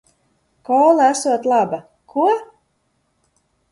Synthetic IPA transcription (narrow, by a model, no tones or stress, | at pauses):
kɔːlˠaæsuɔt̪lˠaba | kʰuɔ